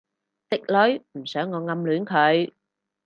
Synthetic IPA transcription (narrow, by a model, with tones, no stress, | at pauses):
t̪i˦˥k̚lɔ˨˥jm̩˨˩sœː˨˦ŋːɔ˧ŋa˧mlu˨˦ənkʰə˨˩j